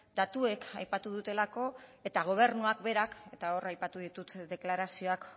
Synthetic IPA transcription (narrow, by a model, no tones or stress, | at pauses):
d̪̥at̪ue̞kajpat̪uð̞ut̪e̞lako̞e̞t̪aɣ̞o̞β̞e̞ɾnuakbe̞ɾake̞t̪ao̞rajpat̪uðit̪ut̪d̪e̞klaɾasio̞ak